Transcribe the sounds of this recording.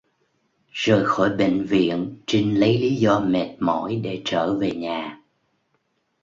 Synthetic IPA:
z̥əː˨˩jxɔ˧˩jɓḛ˧˨ŋ̟vḭ˧˨ənt͡ɕi˧ŋlə˨˦jli˨˦zɔ˧mɛ˨˩t̚mɔ̰˧˩˥jɗe˧˩t͡ɕəː˧˩ve˨˩ɲaː˨˩

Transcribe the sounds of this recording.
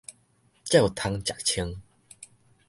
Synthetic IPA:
t͡ɕja˥˩wt̪ʰa˧ŋt͡ɕa˨˩k̚t͡ɕʰi˧˦ŋ

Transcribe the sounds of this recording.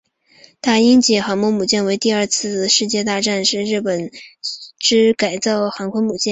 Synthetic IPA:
t̪a˥˩i˥nt͡ɕi˧˩xɑ˧˥ŋmɔ˥mu˨˩t͡ɕjɛ˥˩nwe˧˥ɪt̪i˥˧ɐ˞˥˧t͡sʰɹ̩˥˧ʂɻ̩˥˧t͡ɕjɛ˥˧t̪a˥˧ʈ͡ʂa˥˧nʂɻ̩˥˧ɻɻ̩˥˩pə˨˩n | ʈ͡ʂɻ̩˥ka˨˩ɪt͡sɑ˥˩ʊxa˧˥ŋkʰwə˥nmu˨˩t͡ɕjɛ˥˩n

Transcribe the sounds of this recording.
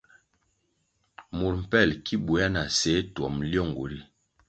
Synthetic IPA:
mu˨ɾm̩˨pɛ˦˨lkʰi˦bu˨˦a˦na˨se˨˦twɔ˨mljɔ˦˨ŋɡo̰˨ɾi˦

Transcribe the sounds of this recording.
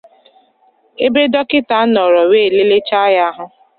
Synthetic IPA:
e˦be˦dɔ˦kɪ˦ta˦nɔ˨ɾɔ˨we˦˨le˦le˦t͡ʃa˦ja˦ɦʊ˦

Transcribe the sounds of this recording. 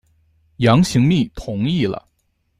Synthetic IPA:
jɑ˧˥ŋɕi˧˥ŋmi˥˩t̪ʰʊ˧˥ŋi˥˩lə̰˩

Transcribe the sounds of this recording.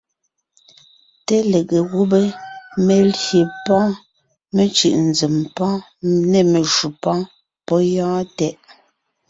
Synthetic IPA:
te˦le˨ɣe˨ɣu˦be˦me˨lje˨pɔ̃˦ | me˦t͡ʃʉ˨ʔn̩˨d͡ze˨mpɔ̃˦ | ne˦˨me˨ʃu˨pɔ̃˦ | pɔ˦jɔ̃ː˦tɛ˦ʔ

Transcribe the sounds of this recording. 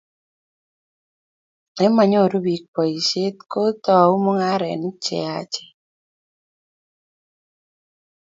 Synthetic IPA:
ɛ˦ma˨ɲo˦˨ɾu˦bi˨k̚pɔ˨i˨ʃe˦t̪ko˦t̪ɔ˦a˨u˦mo˦ŋa˦ɾɛ̰˨nɪ˦t͡ʃɛ̰˨a˦t͡ʃɛ̥˨

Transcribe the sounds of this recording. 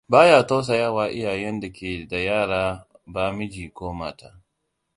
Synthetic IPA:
baː˦jaː˨to˦s̬a˨jɐ˦˨waː˨ʔɪ˦jaː˨jɛ˦nda˨kʲʰeː˨da˨jaː˦˨ɽaː˦ | baː˦mɪ˦d͡ʒiː˨kʷoː˦maː˦ta̰ː˦

